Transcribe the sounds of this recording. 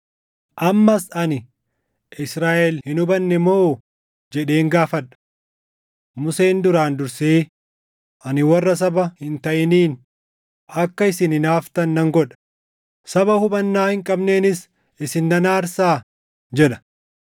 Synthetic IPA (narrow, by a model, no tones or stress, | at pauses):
ʔɐmːɐsɐnɪ | ʔɪsɾaːʔɛlhɪnʊbɐnːɛmoː | d͡ʒɛᶑe̞ːŋɡaːfɐᶑɐ̥ | mʊse̞ːnd̪ʊɾaːnd̪ʊɾseː | ʔɐnɪwɐrːɐs̬ɐbɐhɪnt̪ɐʔɪniːn | ʔɐkːɐɪsɪnɪnaːft̪ɐnːɐŋɡɔᶑɐ̥ | sɐbɐhʊbɐnːaːhɪŋkʼɐbne̞ːnɪs | ɪsɪnːɐnaːɾsaː | d͡ʒɛᶑɐ̥